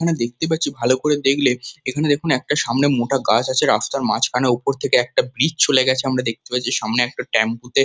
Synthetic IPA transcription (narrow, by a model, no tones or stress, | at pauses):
kʰaned̪ek̚ʰt̪ep̬atːɕʰibʱalokoɾed̪ekʰleekʰaned̪ekʰunɛk̚ʈaʃamnemoʈaɡat͡ɕat͡ɕʰeɾaft̪aɾma̰t͡ɕʰkʰaneupoɾt̪ʰekeɛk̚ʈabɾit͡ɕt͡ɕoleɡɛt͡ɕʰeamɾad̪ek̚t̪epat͡ɕʰiʃamneɛk̚ʈaʈɛmput̪e